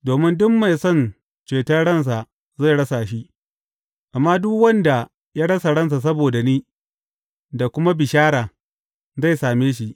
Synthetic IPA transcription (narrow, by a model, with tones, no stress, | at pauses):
doː˨mɪ˦ndʊ˦mma˨jsɔ˦˨n | t͡ʃeː˨tɐ˦ɽɐ˦˨ns̬a˨ | za˦˨ɽɐ˦sa˨ʃi˦ | ʔa˨mːaː˦dʊ˦kwɐ˦nda˨ | jaː˦ɽɐ˦sa˨ɽɐ˦ns̬a˨s̬ɐ˦boː˨da˨niː˦ | da˨kʷʊ˦ma˦bɪ˨ʃaː˦ɽaː˨ | za˦˨jsaː˨meː˦ʃ̬i˦ʔ